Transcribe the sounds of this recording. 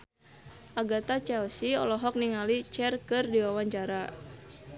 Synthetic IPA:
ʔaɡat̪at͡ʃɛlsiɔ̰lɔɦɔk̚niŋalit͡ʃɛrkɨrdiwawaɲt͡ʃaɾa

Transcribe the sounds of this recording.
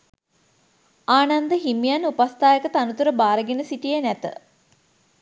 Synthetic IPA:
aːnand̪əɦimijanupast̪aːjəkət̪əanut̪uɾəbaːɾəɡenəsiʈijenæt̪ə̰

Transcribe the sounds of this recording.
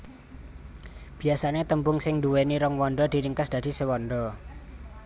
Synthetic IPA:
b̥i̤asanet̪əmbʊŋsɪŋd̪uweniɾɔŋwɔnɖɔd̪̥iɾiŋkəsd̪̥ä̤d̪̥i̤sewɔnɖɔ

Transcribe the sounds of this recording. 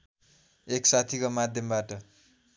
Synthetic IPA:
eksat̪ʰikomad̪ʱjʌmbaʈʌ

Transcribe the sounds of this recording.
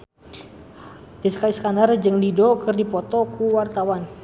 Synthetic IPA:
t̪iskaiskandard͡ʒɨŋdidɔkɨrdipɔt̪ɔkuwart̪awan

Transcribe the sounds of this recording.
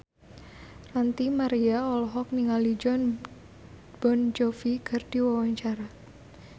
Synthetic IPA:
rant̪imaɾiaɔlɔɦɔk̚niŋalid͡ʒɔn | b̥ɔnd͡ʒɔfikʰɨrdiwawaɲt͡ʃaɾa

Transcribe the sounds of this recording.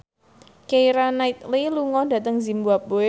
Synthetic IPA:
keiɾanait̪̚liluŋɔdä̤t̪əŋzimbuap̚bo

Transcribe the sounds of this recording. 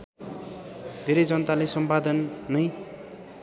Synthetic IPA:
d̪ʱeɾʌjd͡zʌnʌt̪alesʌmpad̪ʌnːʌj

